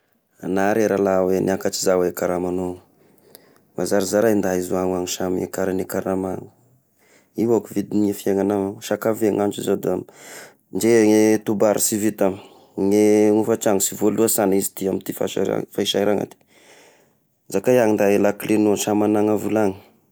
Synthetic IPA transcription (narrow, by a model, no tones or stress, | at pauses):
anaɾeɾalawenʔakat͡ʃizawekaɾamano | mazaɾizaɾaind̪aizuaŋaŋiʃamḛkaɾanekaɾamaŋu̥ | iwakuvid̪inefiaŋanaŋaʃakaveŋant͡ʃizod̪ami | nd͡ʒeŋet̪ubaɾʔḭsivit̪ami̥ | ŋeŋufat͡ʃaŋisivoluasanizi̥t̪iamit̪ifa̰ʃa̰a̰faiʃajɾaŋa̰t̪i̥ | zakajaŋind̪aelaklenoʃamanaŋavulaŋi